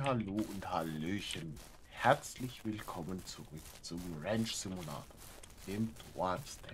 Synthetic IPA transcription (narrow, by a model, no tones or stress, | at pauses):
haloːʊnthaløːçən | hɛɐt͡slɪçv̥ɪlkʰɔmənt͡suʁʏkt͡sʊmʁɛnt͡ʃz̥ɪmula̰ːtʰo | d̥eːmdʁafstʰɛ